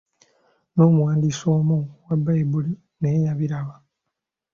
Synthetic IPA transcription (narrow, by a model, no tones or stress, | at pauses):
no̞ːmuwaːndiːso̞ːmuwabːaibuli | neːɲaβiɾaβa